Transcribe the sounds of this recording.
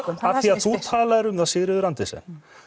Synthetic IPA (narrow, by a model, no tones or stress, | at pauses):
aθθiaðθut̪ʰaːlaɛɾʏmθasɪðɾɪðʏɾant̪ɪsɛ̰n̥